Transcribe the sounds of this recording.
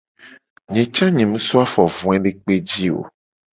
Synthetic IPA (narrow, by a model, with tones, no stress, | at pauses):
ɲẽ˨t͡ʃã˦ɲẽ˨mũ˦sɔ˦a˦fɔ˨vũ˨˦ɛ̃˦ɖe˦k͡pe˦d͡ʑi˦o̰˨